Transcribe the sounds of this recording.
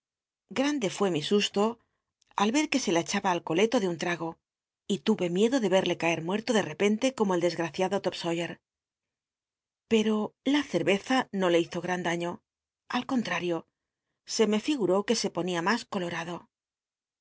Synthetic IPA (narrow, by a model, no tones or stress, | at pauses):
ɡɾand̪e̞fwe̞misust̪o̞ | alβe̞ɾke̞se̞let͡ʃaβaːlko̞le̞t̪o̞ðeunt̪ɾaɣo̞ | it̪uβe̞mje̞ðo̞ðe̞βe̞ɾle̞kae̞ɾmwe̞ɾt̪oðe̞re̞pe̞nt̪e̞ko̞moeld̪e̞zɣɾaθjaðo̞t̪opso̞jeɾ | pe̞ɾo̞laθe̞ɾβe̞θano̞le̞iθo̞ɣɾand̪aɲo̞ | alko̞nt̪ɾaɾjo̞ | se̞me̞fiɣuɾo̞ke̞se̞po̞niamasko̞lo̞ɾaðo̞